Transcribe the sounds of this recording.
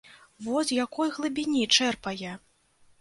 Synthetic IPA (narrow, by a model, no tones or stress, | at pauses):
vɔsʲjakɔjɣlˠɨbʲinʲit͡ʂɛrpɐjɛ